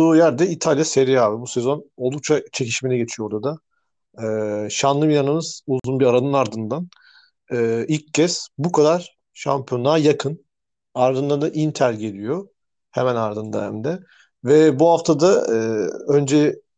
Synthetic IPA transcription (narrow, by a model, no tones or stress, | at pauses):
ujæɾd̪ɛit̪ʰalʲjase̞ɾiaːbibusezo̞no̞lˠd̪uk̚t͡ʃʰat͡ʃʰe̞ciʃmenɛɟe̞t͡ʃ̪ʰijoo̞ɾd̪ad̪a | ɯːʃanlˠɯmijanɯmɯz̥uzunbiɾaɾanɯnaɾd̪ɯnd̪an | ɯːilʲcʰːɛsbukʰad̪aɾ̥ | ʃa̰mpʰio̞naːjakʰɯn | aɾd̪ɯnd̪and̪aʔint̪ʰæɾɟe̞lʲijo̞ | hemænaɾd̪ɯnd̪a̰hɛ̰md̪ɛ | vɛbuɦaft̪ʰad̪aɯø̞nd͡ʒɛ